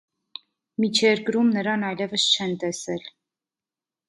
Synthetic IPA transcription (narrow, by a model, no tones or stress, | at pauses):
mit͡ʃʰjɛɾkɾumnəɾɑnɑjlɛvəst͡ʃʰɛnt̪ɛsɛl